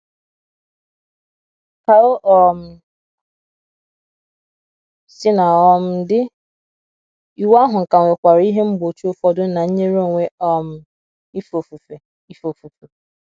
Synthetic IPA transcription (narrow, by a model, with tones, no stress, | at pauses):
ka˨o˦ʔɔ˦m̩˨ | sɪ˦na˨ɔ˦m̩˦dɪ˦ | i˨wa˦ɦʊ˨ŋ̩˨ka˨ŋʷe˨kʷa˨ɾi˦ɦe˦m̩˦bo˨t͡ʃu˦o˦fɔ˦dʊ˦na˨ɲ̩˦ɲe˦ɾo˦˨ŋʷe˦ɔ˦˨m̩˦ | i˦fo˨fu˨fe˨ | i˦fo˨fu˨fe˨